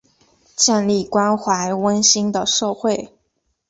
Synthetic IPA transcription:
t͡ɕjɛ˥˧nli˥˩kwa˥nxwa˧˥ɪwə˥nɕi˥ŋd̪ə˨ʂo˥˧ʊxwe˥˩ɪ

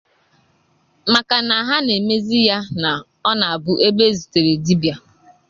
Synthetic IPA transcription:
ma˨ka˨na˨ɦa˦ne˨me˦zi˦ja˦na˨ | ɔ˦na˨a˨bʊ˦ʔe˦be˦˨zi˨te˨ɾe˨di˦bja˨

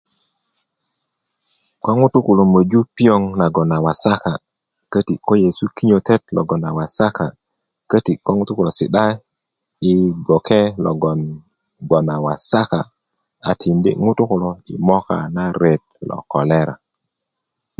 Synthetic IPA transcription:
kʷa˦ŋu˦tu˦ku˨lo˨mə˨d͡ʒu˦pi˦jo˦ŋna˨ɡo˨na˨wa˨sa˦ka˨ | kə˦ti˨ko˦je˨su˦ki˦ɲo˨te˦tlo̰˨ɡo˨na˨wa˨sa˦ka˨ | kə˦ti˨ko˦ŋu˦tu˦ku˨lo˨sḭ˨ɗa˦ | i˨bo˨ke˦lo˨ɡn | ɡo˨na˨wa˨sa˦ka˨ | a˨tʰi˨ndḭ˦ŋu˦tu˦ku˨lo˨ḭ˨mo˦ka̰˨na˦ɾe˨t̚lo̰˨ko˨le˦ɾa̰˨

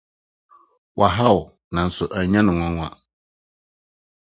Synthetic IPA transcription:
wʔa˨ɦa˦wʊ˨ | nã˨n̩˨˦sʊ˨ʔæ˨˦ɲã˦nɪ̃˨ŋã˦ŋʷ˦ã̰˦˨

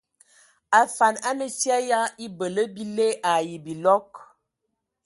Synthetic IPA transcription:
a˨fa˨na˦mə˦sja˦ja˦i˦bə˨lə˦bi˦le˦ʔa˨ji˨bi˨lɔ˦k̚

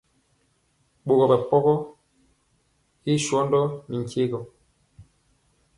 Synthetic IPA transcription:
ɓo˨ɣɔ˨bɛ˨pɔ˦ɣɔ˦ | i˦ʃwɔ˦ndɔ˦mi˨ŋ˨ke˦ɡɔ˨

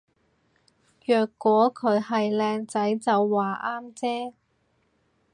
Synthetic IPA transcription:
jœː˨kːʷɔː˨˥kʰɵ˨˧ɥhɐ˨jlɛː˧ŋt͡sɐ˨˥jt͡sɐ˨˧wːaː˨ʔaː˥mt͡sɛː˥

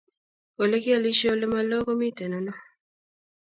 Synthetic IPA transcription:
o˨le˦ki˦a˨li˦ʃo˦lɛ˦ma˦lɔ˦kɔ˦mi˦tɛ˨nɔ˨nɔ˦

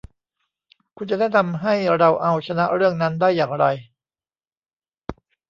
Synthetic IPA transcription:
kʰu˧nt͡ɕa˧˥da˥˩jt̪ʰa˧mɦa˥˩jɾa˧wʔa˧wt͡ɕʰa˧na˦˥ɾɯ˥˩əŋna˦˥ndaː˥˩jːaː˨˩ŋɾa˧j

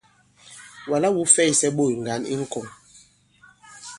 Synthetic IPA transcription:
wa˨la˦wu˨˦fɛ˦˨i˨sɛ˦ɓo˦˨i˨ŋ˨ɡa˨˦nḭ˦ŋ̩˦kɔ˨ŋ

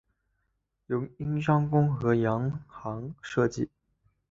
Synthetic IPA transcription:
jo˧˥ʊi˥ŋʂɑ˥ŋkʊ˥ŋxɤ˧˥jɑ˧˥ŋxɑ˧˥ŋʂɤ˥˧t͡ɕi˥˩

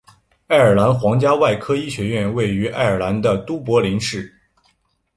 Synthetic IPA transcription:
a˥˩ɪə˞˨˩la˧˥nxwɑ˧˥ŋt͡ɕja˥wa˥˩ɪkʰɤ˥i˥˩ɕɥɛ˧˥ɥɛ˥˧nwe˥˩ɪy˧˥ʔa̰˥˩ɪə˞˨˩la˧˥nd̪ə˧t̪u˥pwɔ˧˥li˧˥nʂɻ̩˥˩

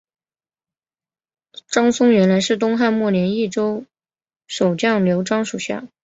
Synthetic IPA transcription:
ʈ͡ʂɑ˥ŋsʊ˥ŋɥɛ˧˥nla˧˥ɪʂɻ̩˥˩t̪̬ʊ˥ŋxa˥˧nmwɔ˥˩njɛ˧˥ni˥˩ʈ͡ʂo˥ʊ | ʂo˨˩ʊt͡ɕjɑ˥˩ŋljo˧˥ʊʈ͡ʂɑ˥ŋʂu˨˩ɕja̰˥˩

